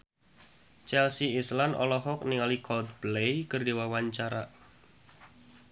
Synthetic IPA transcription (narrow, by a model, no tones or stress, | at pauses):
t͡ʃɛlsiislanɔ̰lɔɦɔk̚niŋalikʰɔld̪̚blejkɨrdiwawaɲt͡ʃaɾa